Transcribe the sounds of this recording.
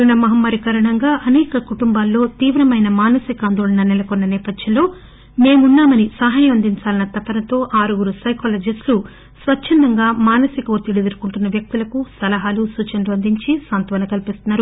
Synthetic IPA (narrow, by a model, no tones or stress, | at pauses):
ɾuɳɐmɐɦɐmːɐːɾikɐɾɐɳɐŋɡaːʔɐnɛːkɐkuʈumbaːlːo̞ːt̪iːʋɾɐmɐjnɐmaːnɐsikaːnd̪oːɭɐnɐnɛlɐkɔnːɐnɛːpɐd̪jɐnlo̞ː | me̞ːmunːaːmɐnisɐɦaːjɐmɐnd̪iɲt͡ʃaːlɐnɐt̪ɐpːɐnɐt̪o̞ːʔaːɾuɡuɾusɐjkoːlɐːd͡ʒɐslu | sʋɐt͡ʃt͡ʃʰːɐnd̪ɐŋɡaːmaːnɐsikɐot̪ːiɽid̪iɾukuɳʈunːɐʋjɐk̚t̪ulɐkusɐlɐɦaːlusuːt͡ʃɐɳɖuɐnd̪iɲt͡ʃisaːnt̪ʋɐnɐkɐlipist̪unːaːɾu